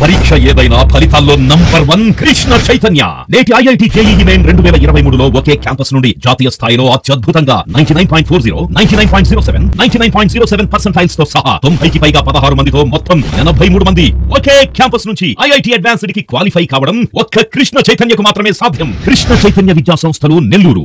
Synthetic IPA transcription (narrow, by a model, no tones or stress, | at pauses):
pɐɾiːkʂɐeːd̪ɐjnaːpʰɐlit̪aːlːo̞ːnɐmbɐɾʋɐnkɾiʂɳɐt͡ʃɐjt̪ɐnjɐ̰ːneːʈiɐjɐjʈiːd͡ʒejiːjimeːnɾeɳɖuʋɛːlɐiɾɐʋɐjmuːɽulo̞ːokeːkjaːmpɐsnuɳɖid͡ʒaːt̪iːjɐst̪ʰaːjlo̞ːɐt̪jɐd̪̚bʱut̪ɐŋɡa̰ːnɐjnʈiːnɐjnpoːiɳʈ̚pʰoːɾziːɾo̰ːnɐjnʈiːnɐjnpaːjɳʈziːɾoːseʋennɐjnʈiːnɐjnpoːiɳʈ̚ziːɾoːseʋenpɐɾsɐɳʈaːjlst̪o̞ːsɐɦɐ̰t̪ombʱɐjkipɐjɡaːpɐd̪ɐɦaːɾumɐnd̪it̪oːmɔt̪ːɐmɐnɐbʱɐjmuːɽumɐnd̪iokeːkjaːmpɐsnuɲt͡ʃiɐjɐjʈiːɐɖʋaːnsiɖikikʋaːlipʰɐjkaːʋɐɽɐmokːɐkɾiʂɳɐt͡ʃɐjt̪ɐnjɐkumaːt̪ɾɐmeːsaːd̪ʱjɐmkɾiʂnɐt͡ʃɐjt̪ɐnjɐʋid̪jaːsɐ̃m̃st̪ʰɐlune̞lːuːɾṵ